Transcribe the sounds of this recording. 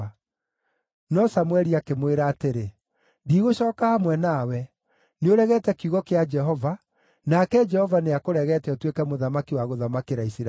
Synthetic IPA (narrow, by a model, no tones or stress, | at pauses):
a | nɔsamwɛɾiakemweɾaːteɾe | diɣoɕɔːkahamwɛnawɛ | neoɾɛɣɛtɛkiuɣɔkead͡ʒɛɦɔva | nakɛd͡ʒɛhɔvaneakoɾɛɣɛtɛɔtwekɛmoðamakiwaɣoðamakeɾaisia